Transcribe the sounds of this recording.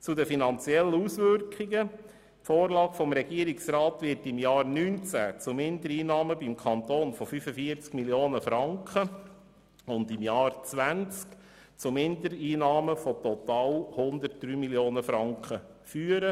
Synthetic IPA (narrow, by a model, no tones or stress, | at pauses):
t͡sud̪əfinɑnt͡siɛlːəusʋʏɾkχiɡə | foːɾlɑːɡ̥fɔmɾɛɡ̥iəɾɪksɾɑːt̪ʋɪɾtɪmjɑːɾnynt͡sæ̰t͡sʊmɪnd̪əɾiːnɑːməbimkʰɑnt̪oːnfɔfyfəfiəɾt͡skmiljoːnəfɾɑŋkχə | ʊndɪmjɑːɾt͡sʋænt͡sk | t͡sʊmɪnd̪əɾiːnɑːməfɔt̪ɔt̪ɑːlhʊnd̪ərt̚d̪̥ɾyːmiljoːnəfɾɑŋkχə | fyːəɾə